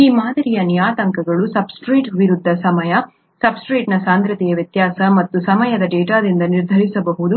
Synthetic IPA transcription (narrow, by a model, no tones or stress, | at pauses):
iːmaːd̪ɐɾijɐnijaːt̪ɐŋkɐɡɐɭusɐbsʈɾiːʈʋiɾud̪ʱːɐsɐmɐjɐ | sɐbsʈɾiːʈnɐsaːnd̪ɾɐt̪ɛjɐʋjɐt̪jaːsɐmɐt̪ːusɐmɐjɐd̪ɐɖɛːʈaːd̪ind̪ɐniɾd̪ʱɐɾisɐbɐɦud̪u